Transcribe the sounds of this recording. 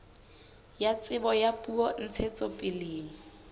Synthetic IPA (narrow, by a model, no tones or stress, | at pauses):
jat͡sʼɪbɔjapʼuɔn̩t͡sʰet͡sʼɔpʼɪleːŋ̩